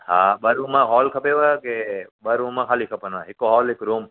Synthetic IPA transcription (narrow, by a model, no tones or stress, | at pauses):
haːbɐɾuːmãɦɔːlkʰɐpeʋakebɐɾumãkʰaːlikʰɐpənãɦɪkːoɦɔːlɦɪkɾuːm